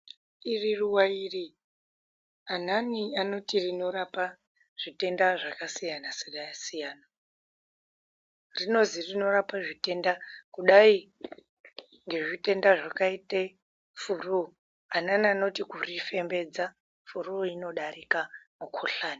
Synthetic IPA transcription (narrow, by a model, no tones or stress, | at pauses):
iriruwairi | ananiano̞tirino̞ɾapa | ʐ̥ite̞ndaʐakasijanaseɗajasijaːna | rino̞zirino̞ɾapaʐite̞ndakuɗai | ŋɡe̞ʐite̞ndaʐakaite | furuo | ananiano̞tikurife̞mbe̞d͡za | furuoino̞ɗarikamukʰoɬaːni